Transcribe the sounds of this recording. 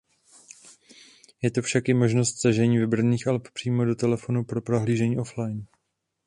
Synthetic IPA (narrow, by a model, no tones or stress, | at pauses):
jɛt̪o̞fʃakɪmo̞ʒno̞st̪saʒɛɲiːvɪbr̩niːxʔalppr̝̥iːmo̞do̞t̪ɛlɛfo̞nupɾo̞pɾoɦliːʒɛɲiːʔo̞flajn